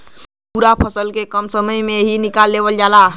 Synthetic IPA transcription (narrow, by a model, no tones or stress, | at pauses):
puɾapʰəsəlkekəmsəməjmeɦinikalːeʋəld͡ʒala